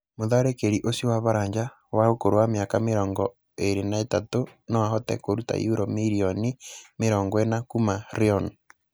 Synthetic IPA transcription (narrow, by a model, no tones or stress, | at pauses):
moðaɾekeɾiʔosiwaβaɾaːɲd͡ʒa | waokoɾowamjakameɾɔːŋɡɔ | eɾenaetatonɔwaɦɔtɛ̰koɾuta̰juɾɔmiɾionimeɾɔːŋɡɔenakumaɾeɔn